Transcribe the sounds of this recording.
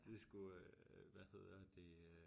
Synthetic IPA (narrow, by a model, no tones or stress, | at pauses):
d̥e̝sɡ̥uʋæhe̝ð̞̰ˠɐd̥e̝